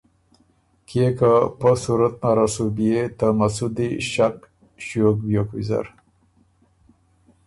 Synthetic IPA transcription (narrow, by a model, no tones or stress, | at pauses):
kʰekapəsuɾat̪̚naɾasubijet̪amasud̪iʃak̚ | ɕok̚bjokwiza̰ɾ